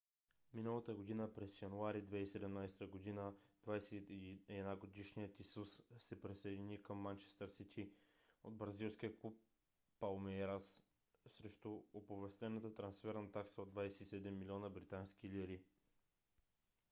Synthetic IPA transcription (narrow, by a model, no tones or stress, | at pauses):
minəlˠət̪əɡod̪inəpɾɛsjɐnuaɾid̪vɛisɛd̪ɛmnajst̪əɡod̪inəd̪vajsɛɛd̪naɡod̪iʃnijət̪isussɛpɾisɐjd̪ʲinikəmːant͡ʃɛ̥st̪əɾsit̪ʰiod̪bɾɐzilˠskiəklˠupː | alˠmɛɾas | sɾɛʃt̪ʊopovɛst̪ɛnət̪ət̪ɾɐnsfɛɾnət̪aksəod̪vajsɛisɛd̪ɛmːilʲiɔnəbɾit̪ansk̟iliɾi